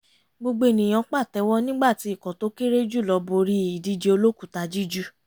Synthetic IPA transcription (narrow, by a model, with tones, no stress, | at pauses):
ɡ͡bo˧ɡ͡be˧˦˨nĩ˨j̃ɔ̃˨˧˦k͡pa˦˨tɛ˧˦wɔ˦nĩ˦ɡ͡ba˦˨ti˨˦i˦˨kɔ̃˨to˦ke˦ɾe˦d͡ʒu˦˨lɔ˧˦bo˧ɾi˦i˨di˧d͡ʒe˧o˧lo˦ku˦˨ta˧˦d͡ʒi˦d͡ʒu˦